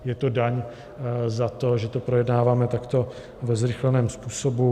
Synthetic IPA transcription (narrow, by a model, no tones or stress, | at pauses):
jɛt̪o̞daɲ | zat̪o̞ʒɛt̪o̞pɾo̞jɛdnaːvaːmɛt̪akt̪o̞ | vɛzɾɪxlɛnɛːmspuːso̞bu